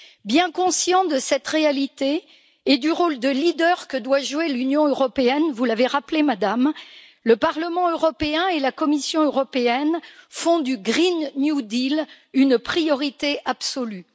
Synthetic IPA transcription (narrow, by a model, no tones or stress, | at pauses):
bjɛ̃kɔ̃sjɑ̃d̪əsɛt̪ʁealit̪eː | d̪yʁold̪əlid̪œʁkəd̪waʒuwelynjɔ̃øʁɔpeɛnvulaveʁaplemad̪am | ləpaʁləmɑ̃øʁɔpeɛ̃elakɔmisjɔ̃øʁɔpeɛnfɔ̃d̪yɡʁinːjud̪il | ynpχijɔʁit̪eʔabsɔly